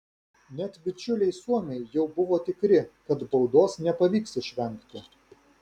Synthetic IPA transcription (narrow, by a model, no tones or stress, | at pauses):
nʲɛt̪bʲɪt͡ʃʲʊlʲɛɪsuɔmʲɛɪjɛʊbʊʋoːt̪ʲɪkɾʲɪkɐt̪bɒʊd̪oːsnʲɛpɐʋʲiːksɪʃʲʋʲɛŋʲˑkt̪ʲɪ